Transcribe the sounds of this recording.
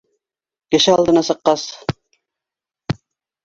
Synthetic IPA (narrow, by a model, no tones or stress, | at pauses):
kɘ̆ʃɘɑlˠd̪ɤ̆nɑsɤ̆qːɑs